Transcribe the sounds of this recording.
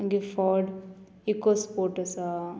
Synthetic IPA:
ɡifɔːɖ | ikospoːʈɐsa

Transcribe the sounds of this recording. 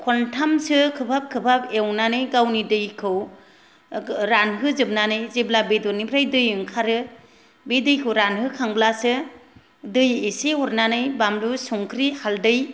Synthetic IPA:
kʰɔntʰamsɯkʰɯbʰʱap̚kʰɯbʰʱabewnanɯjɡawnidɯjkʰɯw | ɾanɦɯzɯb̚nanɯjzeblabedɔnibʰɾajdɯjɯŋkʰaɾɯ | bedɯjkʰɯwɾanhɯkʰaŋblasɯ | dɯjeseɔɾnanɯjbamlusuŋkʰɾihaldɯj

